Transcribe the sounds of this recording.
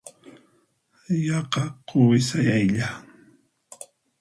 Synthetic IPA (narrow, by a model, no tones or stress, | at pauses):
jɑqɑqʰowɪsajajʎa